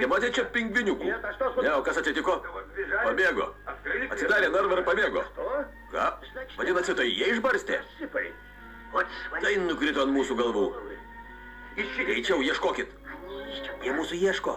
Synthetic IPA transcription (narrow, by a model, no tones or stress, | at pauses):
t̪ʲɛmɑːt̪ʲɛɪt͡ʃʲɛpʲɪŋɡʋʲɪnʲʊkuːnʲɛoːkɐsɐt̪ʲsʲɪt̪ʲɪkoːpɐbʲeːɡo̰ːɐt̪ʲsʲɪd̪ɑːɾʲeːnɐɾʋɐɾpɐbʲeːɡo̰ː | kɑ̰ː | ʋɐd̪ʲɪnɐt̪sʲɪt̪oːjjiɛɪʒbɐɾʲsʲt̪ʲḛːpɐɪ | t̪ɐɪnʊkɾʲɪt̪oːɐnmuːsuːɡɐlˠʋuː | ɛɪt͡ʃʲɛʊjiɛʃkoːkʲɪt̪ | jiɛmuːsujiɛʃko̰ː